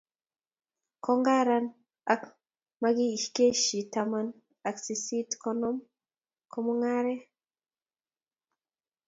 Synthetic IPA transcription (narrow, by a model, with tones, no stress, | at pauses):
kʰo˦ŋɡa˦ɾa˨n | a˨k | ma˦ɡi˦˨hke˦ʃi˨ta˨ma˦n | a˨ksi˨si˦tkɔ˨nɔ˦m | kʰo˦mu˦ŋa˦ɾe˦